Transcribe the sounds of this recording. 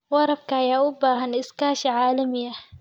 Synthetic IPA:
wɑɾˤɑb̚kajaubahaniskaːʃiʕaːlamija

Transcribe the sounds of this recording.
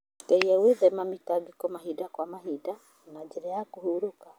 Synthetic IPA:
kɛiɛweðɛmamitaɡikɔmaɦidakwamaɦida | nad͡ʒeɾɛjakuhuɾoka

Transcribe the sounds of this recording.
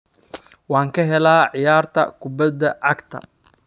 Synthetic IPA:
wɑːŋkʰɐɦɛlaːʕɪjaːrt̪ʰɐ̰kʰʊbɐd̪ɐʕɑɡt̪ʰɐ̰

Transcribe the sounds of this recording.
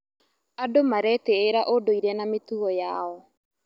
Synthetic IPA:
adomaɾɛteːɾaʔodoiɾɛnametuɔjaɔ

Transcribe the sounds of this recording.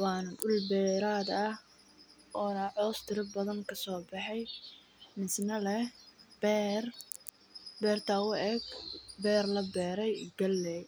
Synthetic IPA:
wɑːnɐɗʊlbɛːɾaːd̪ɐh | ʔɔːnɐʕɔːst̪ʰɪɾɪbɐðɐŋkʰɐsɔːbɑħɛj | nɪsnɐlɛhbɛːr | bɛːrt̪ʰɐʊɛːɡbɛːrlɐbɛːɾɛjɡɐlːɛ

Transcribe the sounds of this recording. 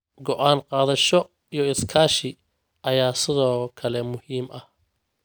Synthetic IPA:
ɡɔʔaːnqɑːðɐʃɔ | ijɞɪskʰaːʃɪ | ʔɐjaːsɪðɔːkʰɐlɛmʊhiːmɐh

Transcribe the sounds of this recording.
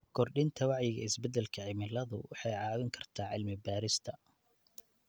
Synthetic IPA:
kʰɔrɗɪnt̪ʰɐwɑʕjɪɣɐ̰ɪsbɛd̪ɛlkʰɐʕɪmɪlɐðʊ̰wɑħɑjʕɑːwɪŋkʰɐrt̪ʰaːʕɪlmɪbaːɾɪst̪ʰɐ

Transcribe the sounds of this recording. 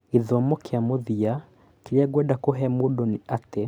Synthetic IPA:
iðɔmɔkeamoðia | kiɾɛɡwɛdakoɦɛmoɗɔniatɛ

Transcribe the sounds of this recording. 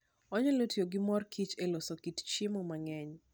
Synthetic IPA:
ɔɲɔlotjoɡɪmɔrkʰit͡ʃelɔsɔkitt͡ʃimɔmaŋɛɲ

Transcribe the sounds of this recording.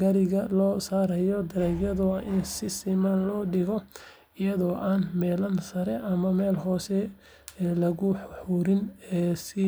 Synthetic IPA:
ɡɐɾɪɣɐlɔːsaːɾɐjɔd̪ɐɾɛːɡjɐðʊʔɪnsɪsɪmanlɔːɖɪɣɔ | ɪjɐðɔːʔaːnmɛːlɐnsɐɾɛʔɐmɐmɛːlɦɔːsɛ | lɐɣʊħħuːɾɪnɛːsɪ

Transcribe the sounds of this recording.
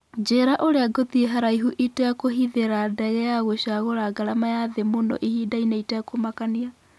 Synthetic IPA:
d͡ʒeɾaʔoɾeaɡoðieɦaɾaiɦuʔitejakoɦiðeɾadɛɣɛjaɣoɕaɣoɾaɡaɾamajaðemonɔ̰ʔihidainaitɛakomakania

